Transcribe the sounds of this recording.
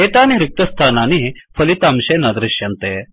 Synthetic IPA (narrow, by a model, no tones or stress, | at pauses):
et̪aniɾik̚t̪əst̪ʰananifʰəlit̪amɕenad̪ɾiɕjant̪e